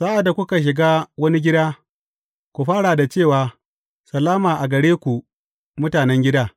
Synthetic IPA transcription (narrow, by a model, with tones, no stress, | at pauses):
saː˦ʔa˨dːa˨kʷʊ˦ka˨ʃ̬ɪ˨ɡaː˦wɐ˦ni˦ɡʲɪ˦daː˦ | kʷu˨ɸaː˦ɽa˨da˨t͡ʃeː˦˨waː˨ | sɐ˨lːaː˦maː˨ʔa˨ɡɐ˨ɽeː˦kʷu˨ | mʊ˦taː˨nɛ˦ŋɡʲɪ˦daː˦